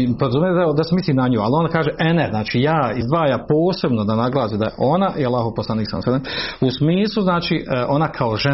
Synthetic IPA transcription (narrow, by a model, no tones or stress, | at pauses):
poɾazumjed̪ad̪asemisliːmnaɲoːalio̞ndakaːʒeʔeneznaːt͡ʃiːjaːizd̪ʋaːjaːpo̞ːse̞bnod̪anaɡlˠaːsid̪a̰jeʔo̞naʔialˠaːɦoposlaniːksa̰msad̪eusmiːslˠuznaːt͡ʃiːʔʔo̞nakʰaoʒe